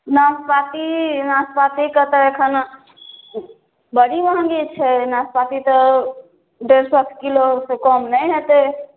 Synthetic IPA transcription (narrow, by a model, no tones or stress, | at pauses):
naspat̪inaspat̪ikət̪əekʰən | bəɽiməɦə̃ŋɡit͡ʃʰɛnaspat̪it̪ɔ | ɖeɾswət̪ʰkilosekɔmnəjɦet̪e